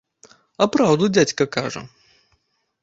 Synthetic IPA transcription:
ɐpɾawd̪ud͡zʲat͡sʲkɐkaʐɐ̰

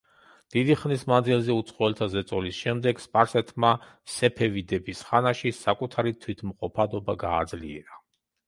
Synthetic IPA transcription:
d̪̥id̪iχmnismand̪zilˠzɛut̪sʰχɔɛlt̪ʰazɛt̪sʼɔlisʃɛmd̪ɛɡspʼaɾsɛt̪ʰma | sɛpʰɛvid̪ɛbisχanaʃisakʼut̪ʰaɾit̪ʰwit̪ʰmqʼɔpʰad̪ɔbaɡa̰ːd̪zliɛ̰ɾa

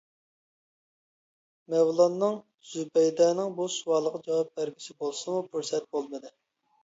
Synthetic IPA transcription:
mɛwlˠɑnːɨŋ | z̥ubɛjd̪ɑnɨŋbuʃuwɑːlˠəʁɑd͡ʒɑwɑp̚bæɾɡʲisɪbolˠsɨmupʰuɾsɛt̪̚bolˠmɨd̪ɨ

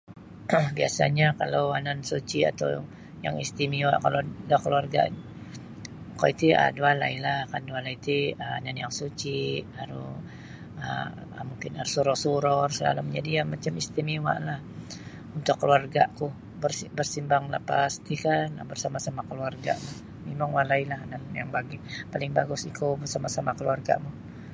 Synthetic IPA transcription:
biasa̰ɲakalawanansut͡ʃia̰t̪a̰w | ja̰ŋist̪imiwa̰ʔkalodakəluarɡa̰ | ko̰it̪ia̰duala̰ilahkandualait̪iəa̰nanjaŋsut͡ʃihaɾṵ | ə̰ | muŋkɪna̰ɾusuɾɔsuɾɔrsəla̰lamd͡ʒadijamat͡ʃamist̪iniwa̰ʔlah | unt̪ʊkːəluarɡaʔkuh | bərsibərsimbaŋlapast̪ikan̰bərsamasamakəluarɡa̰ʔma | mimaŋwalailahnanja̰ŋbaɡipalɪŋbaɡʊsikobərsamasamakəluarɡa̰mu

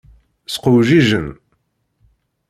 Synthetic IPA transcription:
sqʊwʒiʒən

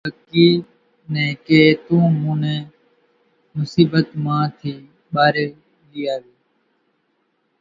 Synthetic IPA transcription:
əkiː | nɛ̃ːkeːt̪ũːmũːnɛ̃ː | mʊsiːbət̪mãːt̪ʰiː | ɓaːɾeː | liːaːʋeː

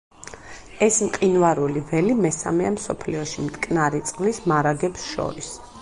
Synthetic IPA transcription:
ɛsmqʼinvaɾulivɛlimɛsa̰mɛamsɔpʰliɔʃimt̪ʼkʼnaɾit̪sʼqʼlismaɾaɡɛpsʃɔ̰ɾis

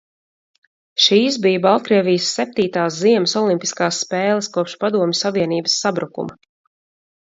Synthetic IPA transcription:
ʃiːs̬bijbalˠt̪̚kɾiɛvʲijəsːɛp̚t̪iːt̪aːsziɛməsɔlˠimpi̥skaːsːpɛːlˠəskuɔpʃpad̪uɔmʲɪsaviɛniːbəsːabɾukṵmɐ

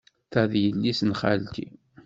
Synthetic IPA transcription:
θæðjəlːisnχa̰lt̪ḭ

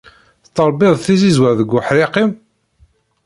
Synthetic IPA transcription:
θt̪ːəɾˤbɪðˤθizizwæɾðəɡːʊħɾɪqim

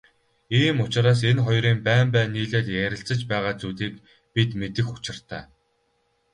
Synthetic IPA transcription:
iːmʊt͡ɕɪ̆ɾaːs̬enχɔjɾiːmpæːmpæːniːɮeːt̪jæɾʲɪ̆ɬt͡sə̆t͡ɕpæːʁaːt͡suːt̪iːk | pit̪met̪ɘ̆xʊ̥t͡ɕɪ̆r̥t̪a̰ː

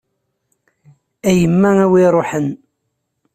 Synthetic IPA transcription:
æjəmːææwiɾˤoħən

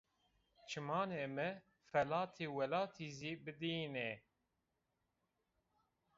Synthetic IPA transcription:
t͡ʃʰɨmɑːneːmɛ | fɛlɑːt̪ʰeːwɛlɑːt̪ʰiːziːbɨd̪iːnɛ

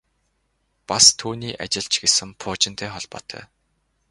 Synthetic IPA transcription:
past̪ʰuːniːʔa̰t͡ɕɪ̆ɮt͡ɕɡesɘ̆mpʰʊːt͡ɕɪ̆n̥t̪ʰeːχɔɮpɔ̰ːt̪ʰœ̰ː

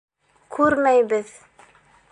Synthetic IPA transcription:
kʰʉɾmæjbɘð

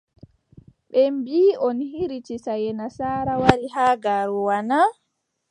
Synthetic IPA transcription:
ɓɛmbiːɔnhiɾit͡ʃisajɛnasaːɾawalihaɡaɾuwana

